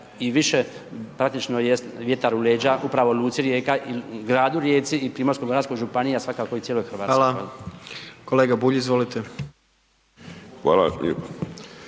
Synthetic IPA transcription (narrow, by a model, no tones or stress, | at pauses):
iʋiʃepɾak̚t̪it͡ʃnojesʋje̞t̪aɾuleːd͡ʒaupɾaʋo̞luːt̪siɾjeːkaʔiɡɾaːd̪uɾjeːt̪siːpɾiːmo̞ɾskoɡɾaːt̪koʒupaniasʋakakoit̪sjeːlojxɾ̩ʋaːt̪ːlakoj | ko̞leːɡabuːʎiizʋolit̪e | xʋa̰ːla̰